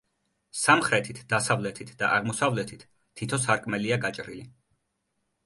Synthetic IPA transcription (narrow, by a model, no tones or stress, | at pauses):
samχɾɛt̪ʰit̪ʰd̪̥asavlɛt̪ʰit̪ʰd̪a̰ʔaʁmɔsavlɛt̪ʰit̪ʰː | it̪ʰɔsaɾkʼmɛliaɡat͡ʃʼɾili